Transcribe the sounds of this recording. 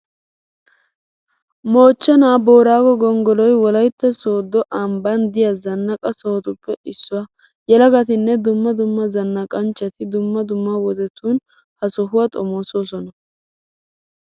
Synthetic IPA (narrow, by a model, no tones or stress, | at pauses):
mo̞ːt͡ʃːɛnaːbo̞ːɾaːɡɔɡɔŋɡɔlɔjwɔlɐjt̪ːɛsoːd̪ːɔʔɐmbɐnd̪ɪjɐzɐnːɐkʼɐsɔhɔt̪ʊpːɛɪsːʊwɐ | jɛlɐɡɐt̪ɪnːɛd̪ʊmːɐd̪ʊmːɐzɐnːɐkʼɐnt͡ʃːɐt̪ɪd̪ʊmːɐd̪ʊmːawɔd̪ɛt̪ːuːn | hɐsɔɦʊwɐt̪ʼɔmoːso̞ːsɔnɐ